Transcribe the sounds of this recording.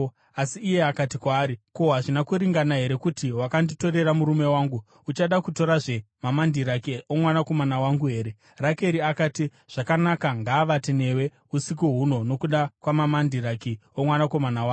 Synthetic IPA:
asiːje̞akatikwaːɾiko̞ɦaʐinakuɾiŋɡanaɦe̞ɾe̞kutiwakandito̞ɾe̞ramuɾume̞waːŋɡu | ut͡ʃaɗakuto̞ɾaʐe̞mamandiɾakiomwanako̞manawaŋɡuɦe̞ːɾe̞ | rake̞ɾiakaːti | ʐ̥akanakaŋɡaʋatine̞we̞ | usik̬uɦuno̞no̞kuɗakwamamandiɾakiomwanako̞manawaː

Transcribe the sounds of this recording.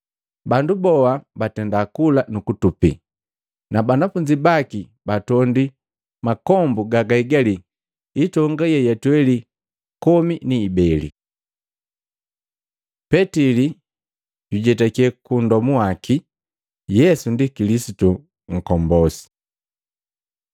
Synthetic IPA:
bandubɔabatɛndakulanukutupḭ | nabanafuɲd͡ʒibaki | batɔndi | makɔmbuɡaɡaiɡaliː | tɔŋɡajɛjatwɛli | kɔminiːbɛlḭ | pɛtili | ɟiɟɛtakɛkundɔmuwaki | jɛsundikilisitu | ŋ̩kɔmbɔsi̥

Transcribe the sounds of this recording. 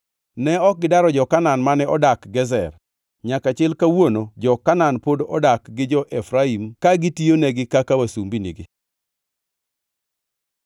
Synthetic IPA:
nɛɔk̚ɡɪdaɾɔd͡ʒɔkananmanɛʔɔdakɡɛzɛ̰r | ɲakat͡ʃɪlkawonod͡ʒɔkananpodɔ̰dakɡɪd͡ʒɔʔɛfɾaimkaɡɪtionɛɡɪkakawasumbinḭɡɪ

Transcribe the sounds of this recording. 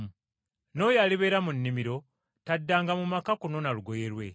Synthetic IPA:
no̞jaliβeːɾamunːimiɾo̞ | tadːaːŋɡamumakakuno̞naluɡo̞jeɾwe̞

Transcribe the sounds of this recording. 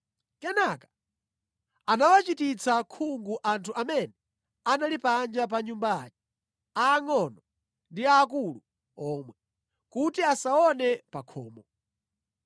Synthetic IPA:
kɛnakḁ | anawat͡ʃitit͡sʰakʰuŋɡuʔantʰuʔamɛnɛ | analipand͡ʒap̬aɲumbaat͡ʃɛ̥ | aːŋɔnɔ | ndiaːk̬ulu | ɔːmwɛ | kutiasaɔnɛpakʰɔ̰ːmɔ

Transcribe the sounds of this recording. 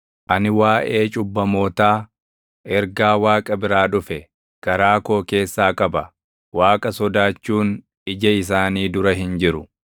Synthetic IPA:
ʔɐnɪwaːʔe̞ːt͡ʃʼʊbːɐmo̞ːt̪aː | ɛɾɡaːwaːkʼɐbɪɾaːᶑʊfɛ | ɡ̥ɐɾaːko̞ːke̞ːsːaːkɐbɐ | waːkʼɐsɔd̪aːt͡ʃːuːn | ɪd͡ʒɐɪs̬aːniːd̪ʊɾɐɦɪnd͡ʒɪɾʊ

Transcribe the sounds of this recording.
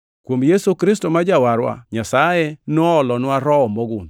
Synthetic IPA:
kwomjesukɾɪstɔmad͡ʒawaɾwa̰ɲasajenɔɔlɔnaɾɔɔmɔɡʊn

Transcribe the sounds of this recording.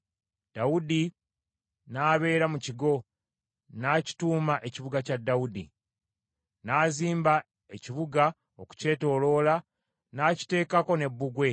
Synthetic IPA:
d̥awudi | naːβe̞ːɾamuciɡo̞ | naːci̥tuːmaʔe̞ciβuɡacadːaudi | naːziːmba | e̞ciβuɡa | oku̥ce̞ːto̞lo̞ːla | naci̥te̞ːkako̞ne̞bːuɡwe̞

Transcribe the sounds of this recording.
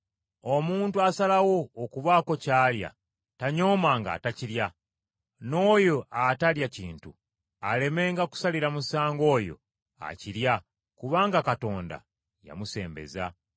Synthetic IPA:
o̞muːntuasalawo̞ːkuβaːko̞caːlja̰ | taɲo̞ːmaŋɡa̰ːtaciɾja | no̞ːjo̞ʔataljacḭːntu | ale̞me̞ːŋɡaku̥saliɾamusaːŋɡo̞ːjo̞̰ | a̰ciɾja | kuβaːŋɡakato̞ːnda̰ | ja̰muse̞̰ːmbe̞̰za̰

